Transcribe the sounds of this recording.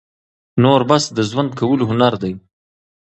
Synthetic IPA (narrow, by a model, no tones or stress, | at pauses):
noɾbasd̪əzwand̪̚kʰawəloɦʊnaɾd̪aj